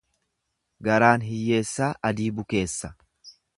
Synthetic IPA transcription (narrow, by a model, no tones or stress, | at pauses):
ɡɐɾaːnɦɪjːe̞ːsːaːʔɐd̪iːbʊke̞ːsːɐ̥